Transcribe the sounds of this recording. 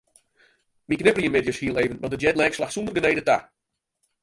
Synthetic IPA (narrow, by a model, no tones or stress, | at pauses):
miknɪpliəmɪdjəshiəlˠeːvənʋɔdəd͡ʒɛdlɛkslaxsundərɡənejdəta̰